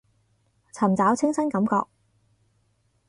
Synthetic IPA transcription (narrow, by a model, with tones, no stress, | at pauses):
t͡sʰɐ˨˩mt͡saː˨˥wt͡sʰɪ˥ŋsɐ˥nkɐ˨˥mkɔ̰ː˧k̚